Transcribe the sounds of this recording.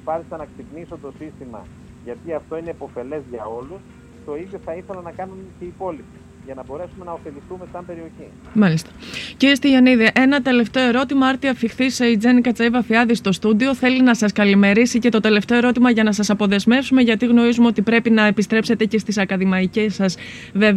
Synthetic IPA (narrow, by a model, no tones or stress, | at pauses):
pɐɾisɐnɐksipniso̞t̪o̞sist̪imɐ̰ | ʝɐt̪iɐft̪o̞ine̞po̞fe̞le̞zʝɐo̞lus | t̪o̞iðjo̞θɐiθe̞lɐnɐkɐnumece̞ipo̞lipi | ʝɐnɐbo̞ɾe̞sume̞nɐo̞fe̞liθume̞sɐmbe̞ɾio̞çi | mɐlist̪ɐ̥ciɾiest̪iʝeniðiʔe̞nɐt̪e̞le̞ft̪e̞o̞eɾo̞t̪imɐɐɾt̪iɐfixθiseid͡ze̞nikɐt͡sɐivɐfiɐðist̪o̞st̪ud̪io̞θe̞linɐsɐskɐlime̞ɾisice̞t̪o̞t̪e̞le̞ft̪e̞o̞e̞ɾo̞t̪imɐʝɐnɐsɐsɐpo̞ðe̞zme̞fsume̞ʝɐt̪iɣno̞ɾizumeo̞t̪ipɾe̞pinɐepist̪ɾe̞pse̞t̪e̞ce̞st̪isɐkɐðimɐicesɐs | ve̞v